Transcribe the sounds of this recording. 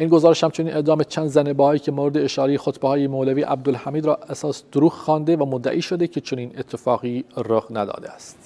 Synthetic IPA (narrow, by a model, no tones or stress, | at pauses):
ʔiːnɡozɒːɾeʃhæmt͡ʃʰo̞niːnʔe̞ʔd̪ɒːmet͡ʃʰænd̪zænebɒːɒːiːcʰe̞moɾed̪eeʃɒːɾejexot̪behɒːjemoːlæviːʔæ̰b̚d̪olhæmiːd̪ɾɒːæsɒːsd̪̥oɾuːxxɒːnd̪e̞væmod̪ːæ̰ʔiːʃo̞d̪ecʰe̞t͡ʃʰo̞niːne̞t̪ʰːe̞fɒːɣiːɾoɣnæd̪ɒ̰ːd̪eæ̰st̪